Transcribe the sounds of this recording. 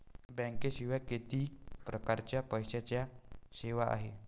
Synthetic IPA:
bə̃ŋkeɕiʋaket̪iːpɾəkaɾt͡ɕjapəjɕat͡ɕjaɕeʋaʔa̰ɦe

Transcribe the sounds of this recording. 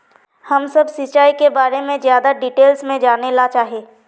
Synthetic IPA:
hɐmsɐbsɪt͡ʃaːikebaːɾemẽzjaːd̪aɖiːʈeːlsmẽd͡ʒaːnelat͡ʃaːɦieː

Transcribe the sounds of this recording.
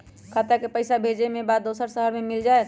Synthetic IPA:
kʰat̪jakepəɪsabʱed͡ʒemẽbaːd̪d̪oːsəɾsəɦəɾmemild͡ʒaet̪

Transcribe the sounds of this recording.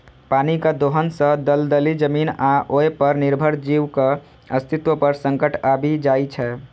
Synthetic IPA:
panikad̪oɦənsə̃d̪əld̪əlid͡ʒəminaʔoepəɾnɪɾbʱəɾd͡ʒiʋke | əst̪ʰit̪wəpəɾsəŋkəʈʰabʱid͡ʒait͡ʃʰɛ

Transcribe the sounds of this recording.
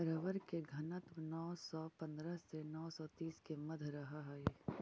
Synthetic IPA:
ɾəʋəɾkeɡʱɐnət̪mnɔːsɔpɐ̃nd̪ɾəsenɔːsɔt̪iːskemɐd̪ʱɾɐɦaɦaeː

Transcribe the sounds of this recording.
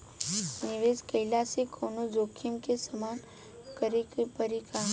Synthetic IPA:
nɪʋeːskəɪlasekʰoːnod͡ʒoːkʰimkesəmaːn | kəɾpəɾikaː

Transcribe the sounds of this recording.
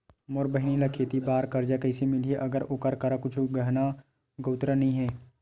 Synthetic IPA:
moɾbəɦɪnilakʰet̪ibaːɾkɐɾd͡ʒakɐɪsemɪlieʔɐɡəɾokəɾkɐɾakʊt͡ʃʰɡəɦna | ɡoːt̪ɾanɐɦĩɦɛː

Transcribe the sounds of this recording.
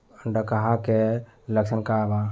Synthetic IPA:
əɳɖəkəɦake | ləksənkaba

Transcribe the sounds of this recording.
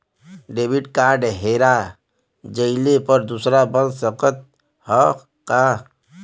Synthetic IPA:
ɖeːbɪʈkaːɾɖɦeːɾa | d͡ʒəɪlepəɾd̪uːsɾabə̃nd̪səqət̪̚ | hɔː | ka

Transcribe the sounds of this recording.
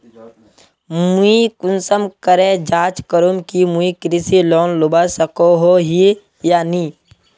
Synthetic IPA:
muikʊnsəmkəɾed͡ʒaːt͡ʃkəɾumkimuikɾisilɔːnlʊbasəkoɦoɦi | jaːniː

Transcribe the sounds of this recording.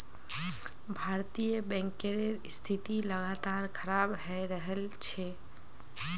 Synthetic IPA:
bʱaɾt̪ijəbɛ̃ŋkeɾest̪ʰit̪iləɡat̪aɾkʰəɾabɦɛɾəɦəlt͡ʃʰɛ

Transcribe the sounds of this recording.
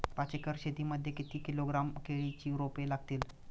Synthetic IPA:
pat͡ɕekəɾɕet̪iːməd̪ʱjekit̪iːkiloɡɾamkeɭit͡ɕiːɾopelaɡt̪iːl

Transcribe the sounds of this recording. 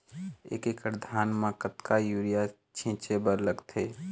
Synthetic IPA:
ḛːkekəɾd̪ʱaːnmãkət̪kajuːɾija | t͡ʃʰẽːt͡ʃebəɾləɡt̪ʰeː

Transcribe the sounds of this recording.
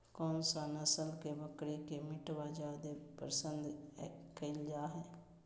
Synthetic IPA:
kɔːnsanəsəlkebəkɽekemɪʈʋad͡ʒaːd̪epəɾsə̃nd̪kəɪld͡ʒaːɦɛː

